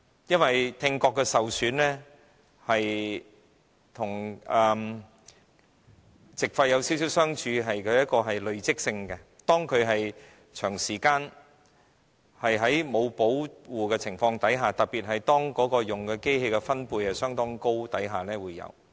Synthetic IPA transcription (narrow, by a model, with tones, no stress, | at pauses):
jɐ˥nwɐ˨jt̪ʰɪ˧ŋkɔː˧kːɛ˧sɐ˨wsyː˨˥nlɛː˥ | hɐ˨j | t̪ʰʊ˨˩ŋɛː˨m | t͡sɪ˨k̚fɐ˧jɐ˨˧wsi˨˥ws̬i˨˥wsœː˥ŋt͡ʃʰyː˧ɦɐ˨jkʰɵ˨˧ɥjɐ˥t̚kɔː˧ɦɐ˨jlɵ˨˧ɥt͡sɪ˥k̚sɪ˧ŋkɛ˧t̪ɔː˥ŋkʰɵ˨˧ɥɦɐ˨j | t͡ʃʰœː˨˩ŋsiː˨˩kaː˧n | hɐ˨jɦɐ˨˥jmo˨˧wpo˨˥wwuː˨˩kɛ˧t͡sʰɪ˨˩ŋfɔː˧ŋt̪ɐ˨˥jɦaː˨˩t̪ɐ˨k̚pi˨t̚ɦɐ˨jt̪ɔː˥ŋkɔː˨˥kɔː˧jʊ˨˩ŋkɛ˧ke˥jhe˧kɛ˧fɐ˥npuː˧jɐɛ˨sœː˥ŋt̪ɔː˥ŋko˥wt̪ɐ˨˥jɦaː˨nɛː˥wuː˨˧jːɐ̰˨˧w